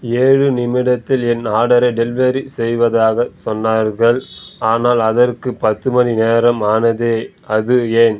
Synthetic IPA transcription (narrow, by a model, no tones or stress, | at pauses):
eːɻɯnɪmɪɽɐt̪ːɪlɛnaːɽɐɾɐɪɖɛlʋɐɾisɛjʋɐðaːɣɐsɔnːaːɾɣɐɭaːnaːlɐðɐrkɯpɐt̪ːɯmɐnineːɾɐmaːnɐðeː | ɐðɯeːn